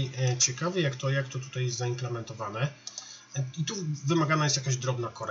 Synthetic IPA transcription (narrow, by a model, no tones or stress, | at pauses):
jt͡ɕɛkavɛjakt̪ɔjakt̪ɔt̪u̥t̪ajɛst̪zaimplɛmɛnt̪ɔvanɛ | it̪uvɘmaɡanajɛst̪jakaʑd̪ɾɔbnakɔɾ